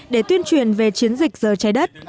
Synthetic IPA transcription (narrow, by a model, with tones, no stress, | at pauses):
ɗe˧˩t̪wi˧ənt͡ɕwi˨˩ənve˨˩t͡ɕi˨˦ənzï˨˩k̟̚zəː˨˩t͡ɕa˨˦jɗə˦˥t̚